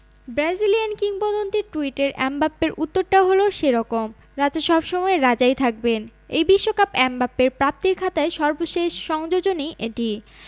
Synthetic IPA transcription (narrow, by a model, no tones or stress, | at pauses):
bɾad͡ʑiliankiŋpɔd̪ont̪eɾʈuiʈeɾʔɛmbapːeɾʔut̪ːoɾʈaɦoloʃeɾɔkom | ɾad͡ʑeʃɔbʃɔmɔeɾad͡ʑajt̪ʰak̚benejbiʃːokapɛmbapːeɾpɾap̚t̪iɾkʰat̪aeʃɔɾboʃeʃːɔŋd͡ʑod͡ʑoniʔeʈi